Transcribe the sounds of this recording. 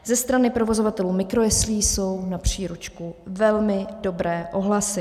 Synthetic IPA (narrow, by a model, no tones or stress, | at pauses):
zɛst̪ɾanɪpɾo̞vo̞zo̞vat̪ɛluːmɪkɾo̞jɛsliːso̞wnapr̝̥iːɾut͡ʃkuvɛlmɪdo̞bɾɛːʔo̞ɦlasɪ